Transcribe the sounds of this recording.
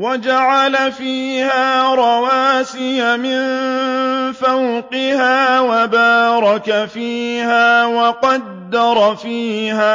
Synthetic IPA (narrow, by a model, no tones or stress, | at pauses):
wad͡ʒaʕalafiːhaːɾˤɑwaːsɪjamɪn | fawqɪhaːwabaːɾˤɑkafiːhaːwɑqɑd̪ːɑɾˤfiːhaː